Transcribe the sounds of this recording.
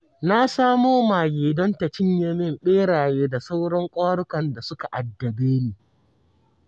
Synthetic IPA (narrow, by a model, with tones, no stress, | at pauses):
na˦saː˦moː˦maː˨ɡeː˨dɔ˦nta˨t͡ʃɪ˦ɲjɛ˦mɪ˦mɓeː˦ɽaː˨jeː˦da˨sa˦wɽɔ˦ŋkʷʼaː˦ɽʊ˦kɐ˨nda˨sʊ˦ka˨ʔa˨dːɐ˨beː˦neː˨